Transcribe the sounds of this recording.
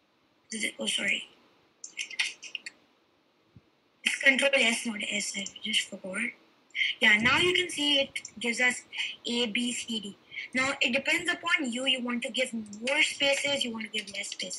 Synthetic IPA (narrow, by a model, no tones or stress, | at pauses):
sozɪosɔːɾḭ | ɪskə̃ɳʈɾoːlɛsmɔʈʔɛsed͡ʒʌsfəkɔɹ | janaʊjukɛ̃nsiːɪʈ̚ɡɪʋzʌsʔeːbiːsiɖiːnaʊʔɪʈ̚ɖɪpɛ̃nɖzəpɔ̃njujuʋɔ̃nʈuɡɪʋmɔːɾspeːsɪzjuʋɔ̃ːnʈuɡɪvlɛsːpes